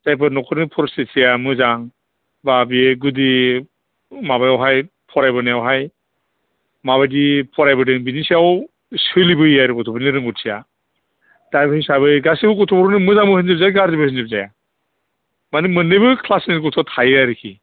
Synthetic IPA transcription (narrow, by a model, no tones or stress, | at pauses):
z̥ajpʰɯnɔkʰɔɾnipʰɔɾsesijamɯzaŋ | babiɡudi | mabajawɦaj | pʰɔɾajbɯnajawɦaj | maβajdipʰɔɾajbɯdɯŋbinisijaw | sɯlibɯiaɾɯkɔtʰɔpʰɔɾniɾɯŋɡɔtsʰija | d̥ajbɯhisabɯɡasibɯkɔtʰɔpʰɔɾɔnimɯzaŋmbɯhɯnzip̚zajaɡaɾzibɯhinzip̚zaja | manimɯnɯjbɯkʰlasniɡɔtʰɔtʰajaɾɯkʰi